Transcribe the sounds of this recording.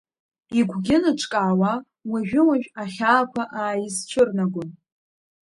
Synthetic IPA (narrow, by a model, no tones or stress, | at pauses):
iɡʷʰɡʲɪnɨʈ͡ʂʰʼkʼaːwa | waʒᶣɪwaʒᶣaχʲaːkʷʰaʔaːjɪzt͡ʃʷʰɨrnaɡʷʊn